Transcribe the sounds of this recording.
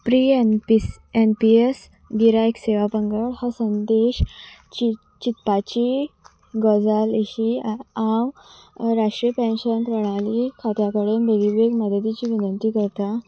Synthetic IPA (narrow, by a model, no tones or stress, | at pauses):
pɾiepi | enpies | ɡiɾaekseʋapəŋɡəɭhəsənd̪eɕt͡ɕi | t͡ɕit̪pat͡ɕi | ɡɔd͡zaleɕiãwɾaʂʈɾiəpẽnɕənp̪ɾəɽ̃alikʰat̪jakəɽuːnb̪eɡibeɡməd̪ʱəd̪it͡ɕiːʋinənt̪iːkəɾt̪a